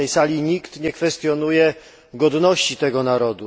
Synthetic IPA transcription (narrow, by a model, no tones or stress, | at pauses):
ɛjsalʲiɲikt̪ɲɛkfɛst̪jɔnujɛ | ɡɔd̪nɔɕt͡ɕit̪ɛɡɔnaɾɔd̪u